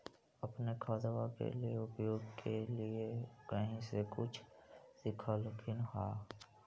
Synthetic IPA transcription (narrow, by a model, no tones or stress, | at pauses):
əpnekʰaːd̪əʋakḛlieʊpjoːɡkʰeliekəɦĩsekʊt͡ʃʰsɪkʰalkʰɪnɦaː